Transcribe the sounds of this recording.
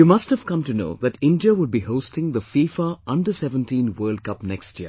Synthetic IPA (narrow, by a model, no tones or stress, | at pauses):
jumʌsthəv̥kʌ̃mtuno̰ːðɨʈɪ̃ndiəwʊd̚bihoʊstɪ̃ŋðəfiːfəʌ̃ndəsɛvə̃ntĩːnwɜːld̚kʌpnɛkstjḭə